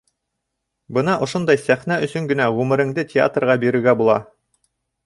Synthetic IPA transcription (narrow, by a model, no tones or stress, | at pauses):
bɤnɑʔŏʃond̪ɑjsæχnæɵ̆sɵŋɡɵ̆næʁʉmɘ̆ɾɘ̆ŋd̪ɘtʲɪa̰t̪rʁɑbiɾɘ̆ɡæbulˠɑ